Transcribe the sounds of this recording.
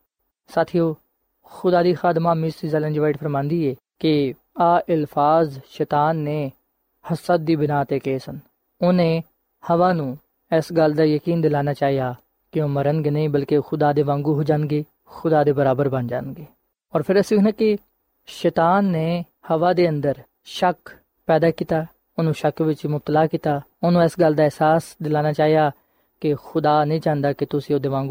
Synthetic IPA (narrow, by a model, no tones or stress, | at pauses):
saːt̪ʰijoː | xʊd̪aːd̪iːxaːd̪maːmɪsizɛːlə̃nd͡ʒʋaːɪʈpʰəɾmãːnd̪iːɛː | kɪ | aːʔɪlpʰaːzʃɛːt̪aːnːeː | həsət̪̚d̪iːbɪnaːt̪eːkeːsən | ʊnẽː | həʋaːnũː | ɛːsɡəld̪aːjəkiːnd̪ɪlaːnaːt͡ʃaːɦijaː | kɪõːməɾənɡeːnəĩːbəlkexʊd̪aːd̪eːʋãːŋɡuːɦoːd͡ʒãːnɡeː | xʊd̪aːd̪eːbəɾaːbəɾbənd͡ʒa̰ːnɡeː | ɔːɾpʰɪɾəsɪkʰnãːkɪ | ʃɛːt̪aːnːeː | həʋaːd̪eːə̃nd̪əɾ | ʃək | pɛːd̪aːkiːt̪aː | ʊnũːʃəkʋɪt͡ʃmʊb̚t̪əlaːkiːt̪aː | ʊnũːɛsɡəld̪aːɛːsaːsd̪ɪlaːnaːt͡ʃaːijaː | kɪxʊd̪aːnəĩːt͡ʃãːnd̪aːkɪt̪ʊsĩːoːd̪eːʋãːŋɡu